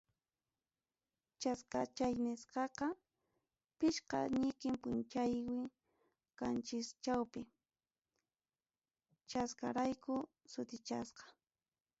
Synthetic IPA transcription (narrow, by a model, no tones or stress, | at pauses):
t͡ʃaskat͡ʃajnɪsqɑqɑ | pɪʃqɑ̰ɲɪkɪmpʊnt͡ʃajwɪ | kant͡ʃɪst͡ʃawpɪ | t͡ʃaskaɾajkʊ | sʊt̪ɪt͡ʃasqɑ̥